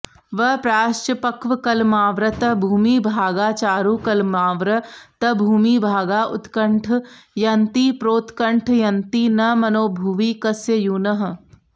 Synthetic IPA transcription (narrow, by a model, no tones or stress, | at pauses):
ʋɐpɾaːʃt͡ʃɐpɐkʋɐkɐlmaːʋɾɐt̪ɐbʱuːmiːbʱaːɡaːt͡ʃaːɾuːkɐlmaːʋɾɐt̪ɐbʱuːmiːbʱaːɡaːʔʊt̪kɐɳʈʰjɐnt̪iːpɾoːt̪kɐɳʈʰjɐnt̪iːnɐmɐnoːbʱuʋiːkɐsjɐjuːnɐɦ̆